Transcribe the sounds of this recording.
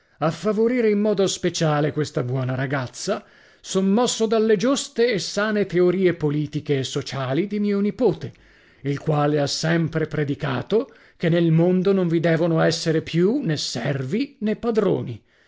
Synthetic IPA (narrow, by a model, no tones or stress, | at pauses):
afːavoɾiːɾeimːɔːd̪ospet͡ʃaːlekwest̪abwɔːnaɾaɡat̪sːa | sonːɔsːod̪alːed͡ʒust̪eːsːaːnet̪eoɾiːepoliːt̪ikeːsːot͡ʃaːlid̪imiːonipoːt̪e | ilkwaːleasːɛmpɾepɾed̪ika̰ːt̪o | k̟enːelmond̪onoɱvid̪ɛːvonoɛsːeɾepʰjunesːɛrvinepːad̪ɾo̰ːni